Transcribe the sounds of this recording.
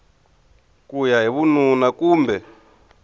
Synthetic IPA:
kujaɦiβununakuːmbɛ

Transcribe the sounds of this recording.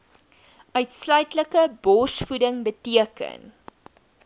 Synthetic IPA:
ʔœɥtslœɥtləkəbɔrsfudəŋbətiəkə̰n

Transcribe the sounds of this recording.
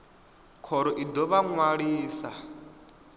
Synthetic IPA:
kʰɔɾɔʔid̪ɔβaŋwaɺiːsa

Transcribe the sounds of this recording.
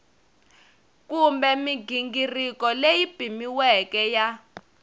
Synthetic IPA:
kumbɛmiɡiŋɡirikɔlejib̥ʱimiwɛkɛja

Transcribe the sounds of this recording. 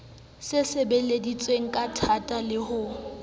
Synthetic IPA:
sɪsebeledit͡sʼweŋ̩kʼatʰatʼalɪhʊ

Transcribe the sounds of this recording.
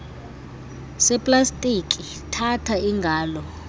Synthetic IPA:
sɛpʼlastʼikʼi | tʰatʰaiŋɡʱaːlɔ

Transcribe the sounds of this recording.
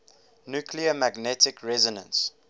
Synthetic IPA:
njukʰliəmæɡnɛtɪkʰɹɛzɔnə̰̃ns

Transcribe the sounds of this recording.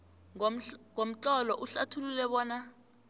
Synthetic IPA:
ŋom̩ǁɔlɔʔuɬatʰululɛɓɔːna

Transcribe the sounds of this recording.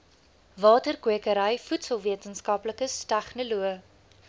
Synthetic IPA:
vɑːtərkwiəkəɾəjfutsəlˠviətənskɐpləkəstæχnəluə

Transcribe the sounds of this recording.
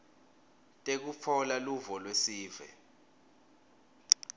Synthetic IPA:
tʼek̬ufʰɔlaluvɔlwesiːvɛ̰

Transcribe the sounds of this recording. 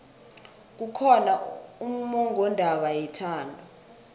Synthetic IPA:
k̬ukʰɔnaum̩mɔŋɔndʱaɓajɛtʰaːndʱu

